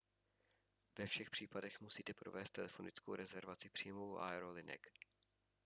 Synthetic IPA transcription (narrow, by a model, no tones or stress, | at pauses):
vɛfʃɛxpr̥iːpadɛxmusiːt̪ɛpɾovɛːst̪ɛlɛfo̞nɪt͡sko̰wɾʔɛzɛɾvat͡sɪpr̥iːmovwʔa̰ɛɾolɪnɛ̰k